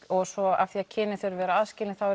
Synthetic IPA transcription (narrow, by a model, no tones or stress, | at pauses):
ɔɣsɔa̰fθiacʰɪːnɪθœɾvɛːɾaaðscɪːlɪθawɛ